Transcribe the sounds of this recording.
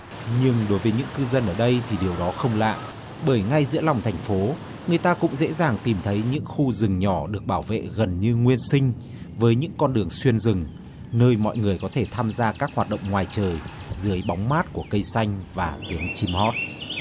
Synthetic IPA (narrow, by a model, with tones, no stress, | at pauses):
ɲɨ˧ŋɗo˨˦jvəː˨˦jɲɨ̰˧˥ŋkɨ˧zə˧nʔəː˧˩ɗə˧jt̪ʰi˨˩ɗi˨˩əwɗɔ˨˦xə˧wŋ͡mla̰ː˧˨jʔ | ɓəː˧˩jŋa˧jzɨ̰˧˥əla˨˩wŋ͡mt̪ʰɛ˨˩jŋ̟fo˨˦ | ŋɨ˨˩əjt̪aː˧kʊ̰˧˥ŋ͡mzḛ˧˥zaː˨˩ŋt̪i˨˩mt̪ʰə˨˦jɲɨ̰˧˥ŋxu˧zɨ˨˩ŋɲɔ˧˩ɗɨ˨˩ək̚ɓaː˧˩wvḛ˧˨ɣə˨˩nɲɨ˧ŋwi˧ənsï˧ŋ̟ | vəː˨˦jɲɨ̰˧˥ŋkɔ˧nɗɨ˨˩əŋswi˧ənzɨ˨˩ŋ | nəː˧jmɔ̰˧˨jŋɨ˨˩əjkɔ˨˦t̪ʰe˧˩t̪ʰaː˧mzaː˧kaː˦˥k̚hwaː˨˩t̚ɗə̰˧˨wŋ͡mŋwaː˨˩jt͡ɕəː˨˩jzɨ˨˦əjɓa˨˦wŋ͡mmaː˦˥t̚ku˧˩əkə˧jsa˧jŋ̟vaː˨˩t̪wi˨˦ənt͡ɕi˧mhɔ˦˥t̚